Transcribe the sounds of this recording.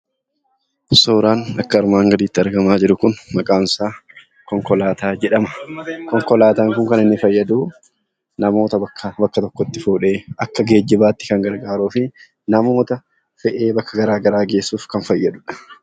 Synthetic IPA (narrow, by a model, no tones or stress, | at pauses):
soːɾaːnɐkːɐɐɾmaːŋɡɐd̪iːt̪ːɪɐɾɡɐmaːd͡ʒɪɾʊkʊnmɐkʼaːnsaː | kɔŋkɔlaːt̪aːd͡ʒɛᶑɐmɐkɔŋkɔlaːt̪aːŋkʊŋkɐnɪnːɪfɐjːɐd̪uː | nɐmo̞ːt̪ɐbɐkːɐbɐkːɐt̪ɔkːɔt̪ːɪfuːᶑe̞ːʔɐkːɐɡe̞ːd͡ʒːɪbaːt̪ːɪ̥kɐŋɡɐɾɡaːɾuːfɪ | nɐmo̞ːt̪ɐ | fɛʔeːbɐkːɐɡɐɾaːɡɐɾaːɡe̞ːsːuːfkɐnfɐjːɐd̪ʊᶑɐ̥